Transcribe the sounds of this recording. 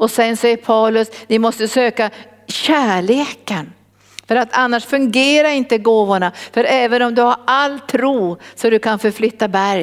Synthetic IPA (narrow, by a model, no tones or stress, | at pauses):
ɔsɛnsɛjːəɾpʰawlɵsnɪmɔst̪əsøːka | ɕæːɭeːkən | fœɾat̪ʰanːaʂfɵŋɡeːɾaɾɪnt̪əɡoːvʊɳafœɾɛːvənɔmd̪ɵhaɾalːt̪ʰːɾuːsɔd̪ɵkʰanfœɾflʏt̪ːabæɾj